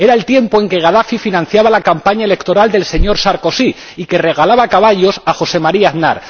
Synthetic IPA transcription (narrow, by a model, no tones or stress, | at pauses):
e̞ɾae̞lt̪je̞mpo̞e̞ŋke̞ɣ̞aðafifinãn̟θjaβ̞alakampaɲae̞le̞kt̪o̞ɾald̪e̞lse̞ɲo̞ɾsaɾko̞si | ike̞re̞ɣ̞alaβakaβ̞aʎo̞saxo̞se̞maɾiaðna̰ɾ